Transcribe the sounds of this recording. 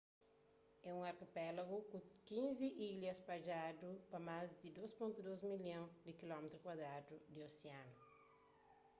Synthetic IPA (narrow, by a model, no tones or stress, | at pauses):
ɛũŋaɾkepɛlaɡukũkĩnziʔiljɐspad͡ʒad̪upɐmazd̪ɪd̪ospõnt̪ud̪ozmiljõd̪ɪkilɔmet̪ɾʊkwad̪ɾad̪ud̪ɪoseãnʊ